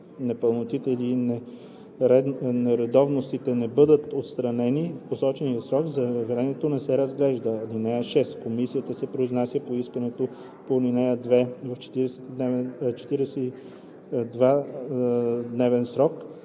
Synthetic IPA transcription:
nɛpəlˠnot̪it̪ɛlinɛ | ɾɛnɛɾɛd̪ɔvnost̪it̪ɛnɛbɤd̪ət̪ot̪st̪ɾɐnɛnifposɔt͡ʃɛnijəsɾɔɡzɐvɾɛmɛt̪onɛsɛɾəzɡlɛʒd̪əlinɛjəʃɛskomisijət̪əsɛpɾoiznasjəpoiskənɛt̪o | polinɛjəd̪vɛvɐft͡ʃɛ̥t̪iɾɛsɛ̥t̪d̪nɛvɛnt͡ʃɛ̥t̪iɾɛsɛi | d̪va | d̪nɛvɛnsɾɔk

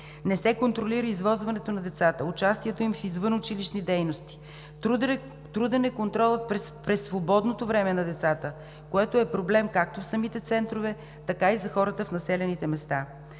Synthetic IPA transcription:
nɛsɛkont̪ɾoliɾəizvɔzvɐnɛt̪onɐd̪ɛt̪sat̪əut͡ʃast̪iɛt̪oimfizvɤnʊt͡ʃiliʃnid̪ɛjnost̪i̥ | t̪ɾud̪ɛnɛkont̪ɾɔlˠət̪̚ppɾɛsːvobɔd̪not̪ovɾɛmɛnɐd̪ɛt̪sat̪ə | koɛt̪oɛpɾoblɛmkak̚t̪ofsɐmit̪ɛt̪sɛnt̪ɾovɛ | t̪ɐkaizɐxɔɾət̪əfnɐsɛlɛnit̪ɛmɛst̪a

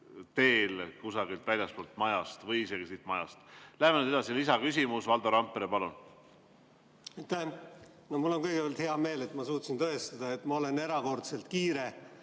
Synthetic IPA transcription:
t̪e̞ːlkusɑɡilt̪vælʲjɑstpoːlt̪mɑjɑst̪vɤjise̞ɡ̥isit̪ːmɑjɑst̪læɦhemenyd̪eɑsilisɑkys̬ʲimusvɑld̪̥ɑɾɑmpːˑeɾepɑlun | ɑjt̪æh | nomulːo̞nkɤjɡepelt̪he̞ɑme̞ːle̞t̪ːmɑsuːt̪sint̪ɤest̪ɑd̪̥ɑet̪ːmɑo̞le̞ne̞ɾɑko̞rt̪se̞lt̪kiːɾe

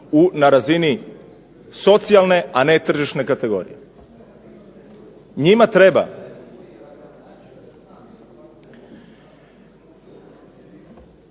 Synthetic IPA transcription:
unaɾazini | so̞t̪sialˠne̞ane̞t̪r̩ʒiʃne̞kat̪e̞ɡo̞̰ːɾḭje | ɲimat̪ɾe̞ba̰

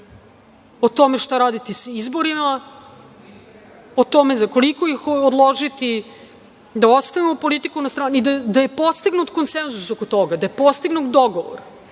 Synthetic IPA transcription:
ot̪o̞meʃt̪aɾaːd̪it̪isaizbo̞ɾima | ot̪o̞mezako̞liko̞jixod̪lˠoʒit̪i | d̪ao̞t̪st̪aʋimopo̞lit̪ikunast̪ɾaːnid̪ad̪aje̞po̞st̪iɡnut̪ko̞nsenzusokot̪o̞ɡad̪aje̞po̞st̪iɡnut̪̚d̪o̞ɡoʋo̰ɾa

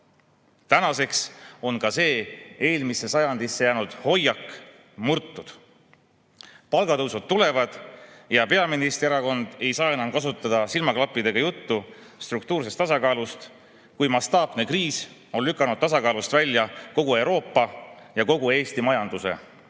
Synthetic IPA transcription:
t̪ænɑse̞kso̞nkɑse̞ːe̞ːlmise̞sɑjɑnd̪isːe̞jæːnud̪̥ho̞jːɑkː | murt̪ːud̪̥ | pɑlɡ̥ɑt̪ɤwsud̪̚t̪ːule̞vɑd̪̥jɑpe̞ɑminist̪eɾɑko̞nd̪̥e̞jsɑːe̞nɑmkɑsut̪ːˑɑd̪̥ɑsilmɑklɑpːˑid̪e̞ɡ̥ɑjut̪ːu | st̪rukt̪uːrs̬est̪ːɑsɑkɑːlust̪ | kujmɑst̪ɑːpne̞kriːs | o̞nlykːˑɑnud̥̪̚t̪ɑsɑkɑːlust̪vælʲjɑko̞ɡ̥ue̞wɾo̞ːpːɑjɑko̞ɡue̞ːst̪imɑjɑnd̪̥use̞̰

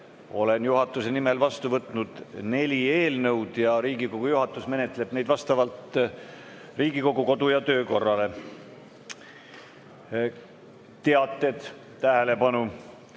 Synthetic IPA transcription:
o̞le̞njuɦɑt̪ːˑuse̞nimelvɑst̪uvɤt̪ːˑnud̪̥ne̞lʲie̞ːlnɤwd̪̥jɑɾiːɡikoɡ̥ujuɦɑt̪ːˑusme̞net̪ˑle̞b̥ne̞jd̪vɑst̪ɑvɑlt̪ | riːɡ̥iko̞ɡuko̞d̪ujɑt̪ø̞ːko̞rːɑle̞ | t̪e̞ɑt̪ːˑe̞d̪̥ | t̪æɦele̞pɑnu

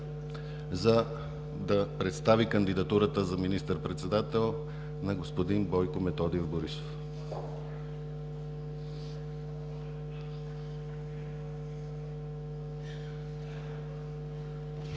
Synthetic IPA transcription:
zɐ | d̪ɐpɾɛt̪st̪avikɐnd̪id̪ɐt̪uɾət̪əzɐminist̪əɾpɾɛt̪sɛd̪at̪ɛlˠ | nɐɡospod̪inbɔjkʊmɛt̪ɔd̪iovboɾiso̥f

